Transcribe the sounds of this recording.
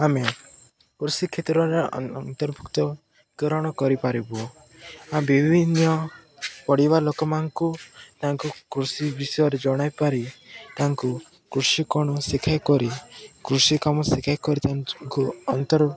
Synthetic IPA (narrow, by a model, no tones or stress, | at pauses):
ame | kɾusikʰːet̪ɾɔɾeɔ̰nnt̪ɔɾbʱukt̪ɔ | ɡɔɾɔɽ̃ɔkɔɾipaɾibu | ambibʱinjɔpɔɽibalokɔmaŋkut̪aŋkukɾusibisɔjɔɾed͡ʒɔɽ̃ajpaɾit̪aŋku | kɾusikɔɽ̃ɔsikʰajkɔɾikɾusikɔmɔsikʰajkɔɾit̪aŋŋkuɔnt̪ɔɾ